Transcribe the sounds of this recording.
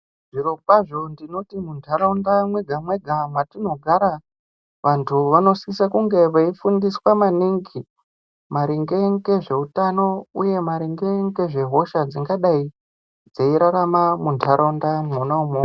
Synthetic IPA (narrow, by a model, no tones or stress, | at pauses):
ʐiɾo̞paʐo̞ndino̞timuntʰaɾaundamwe̞ɡʱamwe̞ɡʱamwatino̞ɡʱaɾa | ʋantʰuʋano̞sikisakuŋɡe̞ʋaifundiswamaniŋɡi | maɾiŋɡeŋɡe̞ʐe̞utano̞uje̞maɾiŋɡe̞ŋɡe̞ʐe̞ɦo̞ʃad͡ziŋɡaɗai | d͡zeiɾaɾamamuntʰaɾaundamonaumu